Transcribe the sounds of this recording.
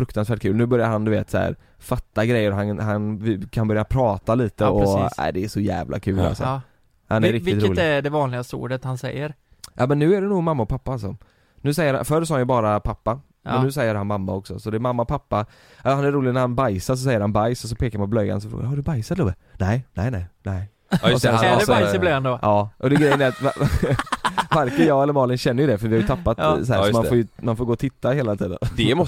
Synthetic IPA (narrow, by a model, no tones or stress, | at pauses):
fɾɵkt̪ansvæːʈ̚kʰʉ̟ːlnʉ̟ːbœɾjaɾɦand̪ɵveːt̪sæ̰ɾ | fat̪ːaɡɾɛjːəɾɔɦanhanvɪkʰanbœɾjapʰɾɑːt̪aliːt̪əɔæ̰ɪd̪ɛːʂɔjæ̰ːvlʔa̰kʰʉ̟ːla̰sɔ̰ | hanɛɾɾɪktɪt̪ɾɪuːlæɖɛvɑːnlɪɡasṵːɖət̪hansɛ̰jːəɾ | jɑ̰ːmɛnːʉ̟ːæɖɛnuːɡmamːaɔpʰapːaalsɔ | nʉ̟ːsɛjːəɾha̰fœɾsɑːhanjɵbɑːɾapʰapːa | mɛnːʉ̟ːs̬ɛjːəɾhanmamːaɔksɔ̰sɔd̪ɛɾmamːaɔpʰapːa | ahanæɾɾuːlɪɡnæɾhanbajsaɾʂ̬ɔs̬ɛjːəɾhanbajsɔs̬ɔpʰeːkaɾmanpɔblœjːa̰ns̬ɔfɾo̰ɡa̰haɖɵbajsat̪luːbə | nɛɪnɛɪnæɪnɛɪ | ɔsɛnsasblɛand̪oʔɑːʔɔd̪ɛɡɾɛjːənæɾat̪va | vaɾkənjɑːɡɛlːəɾmɑːlɪnɕɛnːəjɵd̪ɛfœɾvɪhajɵt̪ʰapːat̪shæːsɔmanfoːjɵmanfoːɡoːɔt̪ʰɪt̪ːaheːlat̪ʰiːd̪ə̰nd̪ɛm